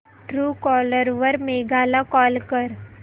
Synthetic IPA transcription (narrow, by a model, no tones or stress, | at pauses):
ʈɾuːkɔːləɾʋəɾmeɡaːlakɔːlkəɾ